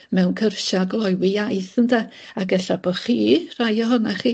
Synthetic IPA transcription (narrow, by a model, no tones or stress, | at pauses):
mɛwnkʰərʃaɡlˠɔjwɪjajθəndaaɡɛɬab̥ɔχiːr̥ajɔɦɔnaχiː